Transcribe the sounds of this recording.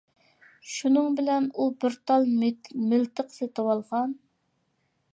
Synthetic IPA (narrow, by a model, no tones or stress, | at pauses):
ʃunɨŋbɪlɛnubɪɾt̪ʰɑlˠmɪlt̪ʰəqset̪ɨwɑlˠʁɑn